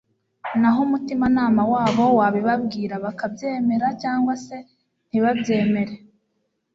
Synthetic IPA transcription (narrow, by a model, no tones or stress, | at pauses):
naɦomutimanaːmawaːβo̞waβiβab̚ɡiːɾaβakabɟe̞ːme̞ɾacaːŋɡwase̞ | n̥iβabje̞ːme̞ɾe